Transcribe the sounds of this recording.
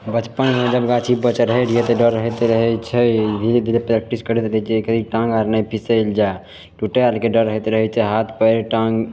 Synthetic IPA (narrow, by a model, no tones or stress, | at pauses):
bət͡ʃpənmed͡ʒəbɡat͡ʃʰibət͡ʃɾəɦɛɾijet̪ɔɖəɾːəɦɛt̪ɾəɦɛt͡ʃʰɛd̪ʱiled̪ʱilepɾɛk̚ʈiskəɾɛt̪ɾəit͡ʃʰɛkʰd̪iʈãŋɡaɾnajpʰiseld͡ʒa | ʈuʈealkeɖəɾːəɦɛt̪ɾəɦɛt͡ʃʰɛɦat̪ʰpəɾʈãŋɡ